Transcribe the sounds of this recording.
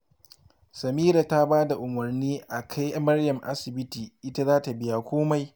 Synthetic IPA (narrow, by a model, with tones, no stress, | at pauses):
sɐ˨miː˦ɾa˨ta˦baː˦da˨ʔʊ˨mɐ˨rniː˦ʔa˨kʰa˦jmɐ˦rjɐ˨mʔa̰˦sɪ˨bɪ˦tiː˨ʔɪ˦ta˦zaː˦ta˨bɪ˦ja˨kʷoː˦ma˦j